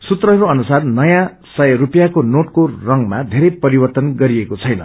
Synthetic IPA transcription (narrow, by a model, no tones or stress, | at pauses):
sut̪rʌɦɾoʌnusarnʌjã | sʌjʌɾupjakonoʈkorʌŋmad̪ʱeɾʌjpʌɾibʌrt̪ʌnɡʌɾiekot͡sʰʌjnʌ̰